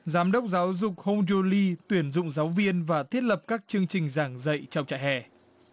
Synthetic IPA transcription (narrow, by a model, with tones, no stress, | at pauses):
zaː˨˦mɗə˦˥wk͡p̚zaː˨˦wzʊ˨˩k͡p̚ho˧wŋ͡mzo˧li˧t̪wi˧˩ənzʊ̰˧˨ŋ͡mzaː˨˦wvi˧ənvaː˨˩t̪ʰi˦˥ət̚lə˨˩p̚kaː˦˥k̚t͡ɕɨ˧əŋt͡ɕï˨˩ŋ̟zaː˧˩ŋzə̰˧˨jt͡ɕɔ˧wŋ͡mt͡ɕa̰ː˧˨jɦɛ̰˧˩